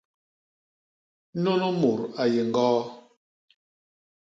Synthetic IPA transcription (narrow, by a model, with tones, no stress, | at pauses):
no˦no˦mu˨ɾa˨je˨ŋ˨ɡɔː˦